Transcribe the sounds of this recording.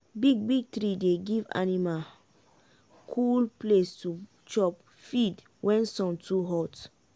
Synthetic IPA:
biɡ̚biɡ̚tɾideɡiva̰nima | kʰulplestu | t͡ʃɔp | fid | wɛ̃nsɔ̃ntʰuɦɔt

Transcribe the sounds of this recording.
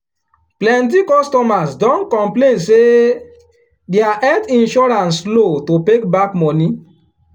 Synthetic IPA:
plɛ̃nt̬ikɔstɔmasdɔ̃nkɔ̃mplẽnse | deaʔɛtĩnʃɔɾãnslototekbakmɔni

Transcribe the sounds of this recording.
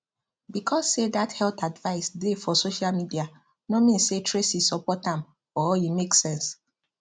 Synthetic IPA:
bikʰɔssedathɛltadvaɪsdefɔsoʃalmidia | nomĩnsetʰɹesisɔpɔtãm | ɔjimeksɛ̃ns

